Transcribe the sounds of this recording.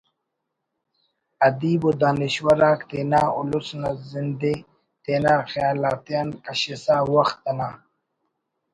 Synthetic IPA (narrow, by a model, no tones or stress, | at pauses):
ɐd̪iːbud̪aːniɕwɐɾaːkt̪eːnaːʊ̰lusnazind̪e | t̪eːnaːxjaːlaːt̪jankɐɕisaːwɐxt̪ːɐnaː